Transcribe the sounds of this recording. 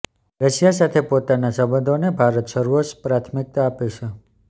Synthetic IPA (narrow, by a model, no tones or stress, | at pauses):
ɾəʃjasat̪ʰepot̪anasəbəd̪ʱonebʱaɾət̪ʃəɾuoʃpɾat̪ʰmɪk̚t̪aːpet͡ʃʰe